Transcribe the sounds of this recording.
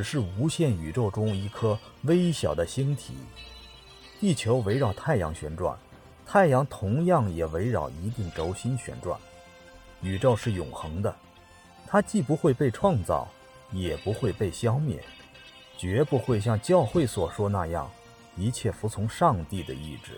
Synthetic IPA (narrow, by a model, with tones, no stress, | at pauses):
ʈ͡ʂɻ̩˨˩ʂɻ̩˥˩u˧˥ɕjɛ˥˩ny˨˩ʈ͡ʂo˥˩ʊʈ͡ʂʊ˥ŋi˧˥˩kʰɤ˥ | we˥ɪɕjɑ˨˩ʊd̪ə˦ɕi˥nt̪ʰḭ˨˩˦ | t̪i˥˩t͡ɕʰjo˧˥ʊwe˧˥ɪɻɑ˨˩ʊt̪ʰa˥˩ɪjɑ̰˧˥ŋɕɥɛ̰˧˥nʈ͡ʂwa̰˥˩n | t̪ʰa˥˩ɪjɑ˧˥ŋt̪ʰʊ˧˥ŋjɑ˥˩ŋjɛ˨˩we˧˥ɪɻɑ˨˩ʊi˧˥t̪i˥˩ŋʈ͡ʂo˧˥ʊɕi˥nɕɥɛ̰˧˥nʈ͡ʂwa̰˥˩n | y˨˩ʈ͡ʂo˥˧ʊʂɻ̩˥˩jʊ˨˩ŋxɤ˧˥ŋd̪ə˧ | t̪ʰa˥t͡ɕi˥˩pu˧˥xwe˥˧ɪpe˥˧ɪʈ͡ʂʰwɑ˥˧ŋt͡sɑ̰˥˩ʊ | jɛ˨˩pu˧˥xwe˥˧ɪpe˥˩ɪɕjɑ˥ʊmjɛ̰˥˩n | t͡ɕɥɛ˧˥pu˧xwe˥˧ɪɕ̬jɑ˥˧ŋt͡ɕjɑ˥˧ʊxwe˥˩ɪswɔ˨˩ʂwɔ˥na˥˧jɑ̰˥˩ŋ | i˧˥t͡ɕʰjɛ˥˩fu˧˥t͡sʰʊ˧˥ŋʂɑ˥˧ŋt̪i˥˩d̪ə̰˩ḭ˥˩ʈ͡ʂɻ̩˥˩